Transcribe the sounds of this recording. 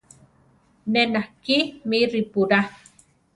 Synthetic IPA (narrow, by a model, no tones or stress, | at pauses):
nenahkimiɾipuɾa